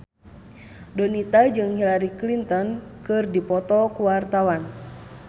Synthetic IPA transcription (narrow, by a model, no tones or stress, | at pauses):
dɔnit̪ad͡ʒɨŋhilaɾiklint̪ɔnkɨrdipɔt̪ɔkuwart̪awan